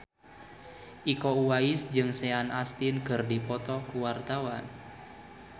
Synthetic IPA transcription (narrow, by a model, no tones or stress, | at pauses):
ʔikouwaisd͡ʒɨŋsɛanast̪ɪnkɨrdipɔt̪ɔkuwart̪awan